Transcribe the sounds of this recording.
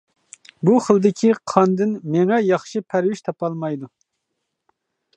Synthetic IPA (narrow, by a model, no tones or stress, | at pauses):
buχəlˠd̪ɪkʲʰiqʰɑnd̪ɨnmeŋɛjɑχʃipʰæɾwɪʃt̪ʰɑpɑlˠmɑjd̪u